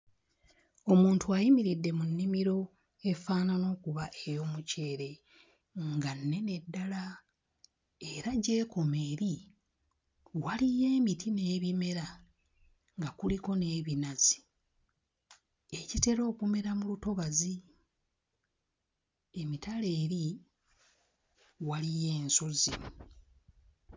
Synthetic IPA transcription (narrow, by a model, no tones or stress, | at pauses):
o̞muːntuajimiɾidːe̞munːimiɾo̞ | e̞faːnano̞ːkuβaʔejo̞muce̞ːɾe̞ | ŋɡanːe̞ne̞dːala | eɾaɟe̞ːko̞me̞ːɾi | walije̞ːmitine̞ːβime̞ɾa | ŋɡakuliko̞ne̞ːβinazi̥ | e̞cite̞ɾo̞ːkume̞ɾamuluto̞βazi | e̞mitale̞ːɾi | walije̞ːnsozḭ